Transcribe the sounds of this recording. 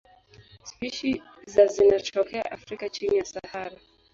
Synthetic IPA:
spiʃi | zazinat͡ʃɔkʰɛa̰ʔafɾikat͡ʃinijasahaɾa

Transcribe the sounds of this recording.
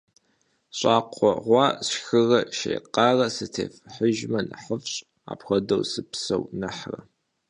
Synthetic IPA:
ɕʷʼaːqʷɔʁʷɑːsxɨrɐʃḛːqɑːrɐsɨtʰḛːfħəʒmɐnɨħəfɕʼ | a̰ːpxʷɔdɐwsɨpsɐwnɨħrɐ̰

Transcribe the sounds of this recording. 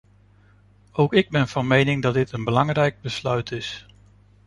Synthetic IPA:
owkɪɡ̚bɛnv̥ɑnmejnɪŋdɑd̚dɪtənbəlɑŋrɛjɡ̚bəslœɥtʰɪs

